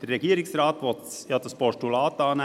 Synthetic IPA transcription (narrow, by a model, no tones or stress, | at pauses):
d̥̪əɾɛɡiːɾɪŋsɾɑːt̪ʋɔt̪ | jɑːd̪ɑspɔʃʈulɑːt̪ɑːn